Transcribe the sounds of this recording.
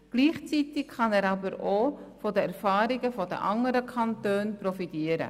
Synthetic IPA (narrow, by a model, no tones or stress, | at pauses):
ɡ̥liːχt͡sitɪkχɑnɛːɾɑbəɾofɔdəɛɾfɑːɾɪɡəfɔdə̰ʔɑŋəɾəkʰɑntøːnpɾɔfitiːəɾə̰